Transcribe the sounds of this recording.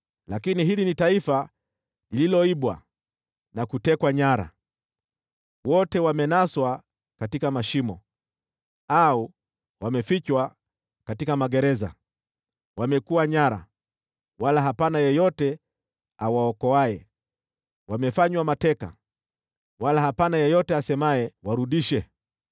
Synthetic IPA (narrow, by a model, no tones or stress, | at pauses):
lakiniɦilinitaifa | ililɔiɓwa̰ | nakutɛkwaɲaɾa̰ | wɔtɛwamɛnaswa | katikamaʃimɔ | au | wamɛfit͡ʃwa | katikamaɠɛɾɛza̰ | wamɛkuwaɲaɾa̰ | walaɦapanajɛjɔtɛ | awaɔkɔajɛ | wamɛfaɲwamatɛka̰ | walaɦapanajɛjɔtɛasɛmaɛwaɾuɗiʃɛ